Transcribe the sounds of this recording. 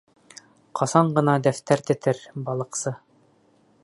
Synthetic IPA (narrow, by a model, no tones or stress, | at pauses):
qʰɑsɑɴɢɤ̆nɑd̪æft̪æɾt̪ɘ̆t̪ʰɘɾbɑlˠɤ̆qsɤ